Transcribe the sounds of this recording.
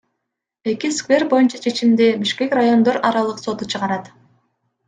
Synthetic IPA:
e̞kiskvʲe̞rbo̞junt͡ʃɑt͡ʃʰe̞t͡ʃimd̪ibiʃke̞krajo̞nd̪o̞ɾʔɑɾɑlˠɯqso̞t̪ut͡ʃʰɯʁɑɾɑt̪

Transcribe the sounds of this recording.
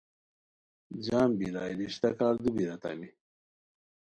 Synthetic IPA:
d͡ʑaːmbiɾaːjɾiɕt̪ɐkaːɾd̪ubiɾɐt̪a̰mi

